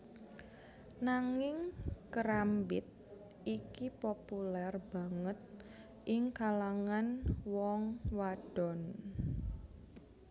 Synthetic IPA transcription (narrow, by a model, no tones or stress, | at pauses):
naŋɪŋkəɾambɪt̪̚ | ikipopulɛrb̥a̤ŋət̪̚ | ʔɪŋkalaŋanwɔŋwad̥ɔn